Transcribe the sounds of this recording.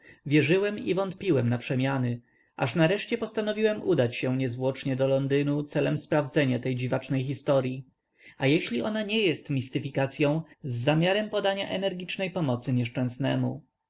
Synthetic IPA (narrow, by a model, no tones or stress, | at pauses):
vʲjɛʐɘwɛmḭvɔnt̪pʲiwɛmnapʂɛmʲjanɘ | ʔa̰ʂnaɾɛʂt͡ɕɛpɔst̪anɔvʲiwɛmud̪at͡ɕɕɛɲɛzvwɔt͡ʂɲɛd̪ɔlɔnd̪ɘnut̪sɛlɛmspɾavd̪zɛɲat̪ɛjd͡ʑivat͡ʂnɛjxist̪ɔɾʲji | ajɛɕlʲiɔnaɲɛjɛst̪mʲist̪ɘfʲikat̪sʲjɔ̃w̃zːamʲjaɾɛmpɔd̪aɲa̰ʔɛnɛɾɡʲit͡ʂnɛjpɔmɔt̪sɘɲɛʂt͡ʂɛ̃w̃snɛ̰mu